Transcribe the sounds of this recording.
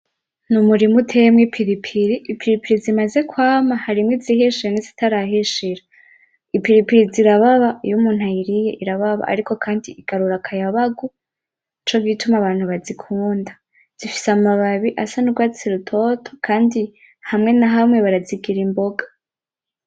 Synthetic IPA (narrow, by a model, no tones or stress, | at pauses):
numuɾimutʰemŋipʰiɾipʰiɾiʔːpiɾipiɾizimaze̞kwaːmahaɾimŋezihiʃiɾenizitʰaɾaɦiʃiɾa | ipiɾipiɾiziɾaβaβaijumuːn̥hajiɾije̞̰ʔiɾaβaβa̰ʔa̰ɾiko̞kʰaːndiiɡaɾuɾakʰajaβaɡu | it͡ʃoɡɡitumaβaːn̥huβazikʰuːnda | z̥ifi̥samaβaβiʔasanuɾɡwaːt͡siɾutʰo̞tʰo̞̥kʰaːndi | hamŋe̞naɦamŋe̞βaɾaziɡiɾimbo̞ɡḁ